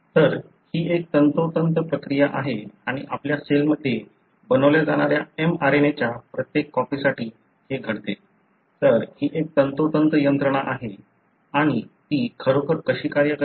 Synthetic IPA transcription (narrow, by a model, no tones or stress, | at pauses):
t̪əɾ | hiːek̚t̪ənt̪ot̪ənt̪əpɾəkɾijaʔaɦeaɽ̃iʔapljaselməd̪ʱːje | bənəʋljad͡zaɽ̃aɾjaemaɾenet͡ɕjapɾət̪jekːɔfisaʈiː | heɡʱəɽt̪e | t̪əɾhiːʔek̚t̪ənt̪ot̪ənt̪əjənt̪ɾəɽ̃aʔaɦe | aɽ̃it̪iːkʰəɾokʰəɾkəɕiːkaɾjəkə